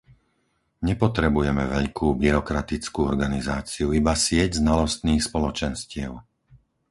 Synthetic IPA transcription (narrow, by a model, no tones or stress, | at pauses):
ɲɛpɔt̪ɾɛbujɛmɛʋɛʎkuːbiɾɔkɾat̪it͡skuːɔɾɡanizaːt͡siuibasɪɛɟznalɔst̪niːxspɔlɔt͡ʃɛnscɪɛʊ